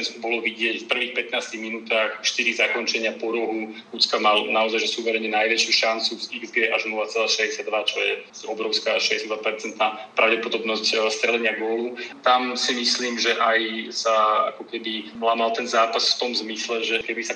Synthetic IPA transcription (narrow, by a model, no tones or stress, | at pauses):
ɛnskubɔlɔʋiɟɪɛcfpr̩ʋiːxpɛt̪naːst̪iɣminuːt̪aːxfʃt̪iɾizakɔnt͡ʃɛɲɪapɔɾɔɦu | ut̪t͡skamalnaɔzajʒɛsuʋɛɾɛɲɛnajʋɛt͡ʃɪuʃant͡suziɡzɡɛʔaʒnɔʋat͡sɛlaːʃɛzɟɛsjad̪ʋat͡ʃɔjɛsɔbɾɔʊskaːaʃʃɛzɟɛsjad̪ʋapɛɾt͡sɛnt̪naːpɾaʊɟɛpɔd̪ɔbnɔscst̪ɾɛlɛɲɪaɡʊɔlut̪amsimisliːmʒɛʔajsaa̰kɔkɛbilaːmalt̪ɛnzaːpasft̪ɔmzmislɛʒɛkɛbisa